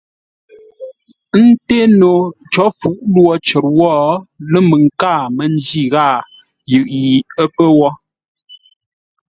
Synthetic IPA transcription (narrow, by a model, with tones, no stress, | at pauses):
n̩˦te˦no˨ | t͡ʃɔ˨˦fu˨˦ʔlwɔ˦˨t͡ʃə˨ɾ̚wɔː˦˨lə˦mə˨ŋ˨ka˦˨mə˨n˦d͡ʒi˦˨ɣaː˦˨ | jʉ˨ʔji˨ə˦pə˦wɔ˦